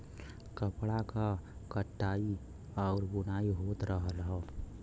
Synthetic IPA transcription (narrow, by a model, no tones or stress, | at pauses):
kəpɽakakəʈːaːi | ɔːɾbʊnaːiɦoːt̪ɾəɦəlɦɛː